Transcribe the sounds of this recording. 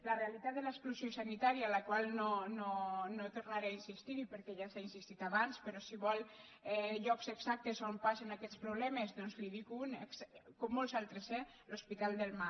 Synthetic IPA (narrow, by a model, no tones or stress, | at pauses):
lərealit̪at̪̚d̪elaeskluziosanit̪aɾijaːlakwalˠnononot̪oɾnaɾeainsist̪iɾipəɾkɛʒasainsist̪it̪aβanspəɾɔsiβɔl | ɛʎɔkzekz̥ak̚t̪ezompasenakɛt̪spɾuβlɛmezðɔnzliðikunekskomːolzalˠt̪ɾese | lospit̪alˠd̪elˠma